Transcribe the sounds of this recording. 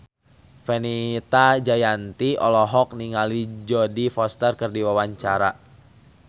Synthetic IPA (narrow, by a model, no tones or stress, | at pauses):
fɛnit̪ad͡ʒajant̪iɔlɔɦɔk̚niŋalid͡ʒɔdifɔst̪ərkərdiwawaɲt͡ʃaɾa̰